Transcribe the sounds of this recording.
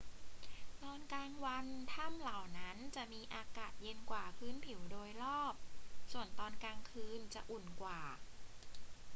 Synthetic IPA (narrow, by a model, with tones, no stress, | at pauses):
t̪ɔː˧nkaː˧ŋwa˧nt̪ʰa˥˩mla˨˩wna˦˥nt͡ɕa˨˩ʔmiː˧ʔaː˧kaː˨˩t̪̚je˧nkwaː˨˩pʰɯː˦˥npʰi˨˩˦wdoː˧jlɔː˥˩p̚su˨˩ənt̪ɔː˧nkaː˧ŋkʰɯː˧nt͡ɕa˨˩ʔu˨˩nkwaː˨˩